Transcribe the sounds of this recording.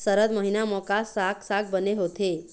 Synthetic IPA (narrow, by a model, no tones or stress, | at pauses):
səɾəd̪məɦinamɔkasaksak̚bəneɦot̪e